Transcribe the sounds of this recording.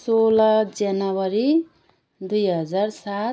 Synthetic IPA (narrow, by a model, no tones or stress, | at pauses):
solʌd͡zanʌwʌɾi | d̪ujɦʌd͡zarsa